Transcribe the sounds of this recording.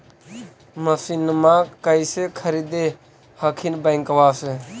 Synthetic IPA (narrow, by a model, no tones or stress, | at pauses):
məsiːnəmãːkəisekʰəɾiːd̪e | həkʰinbəŋkʋaːse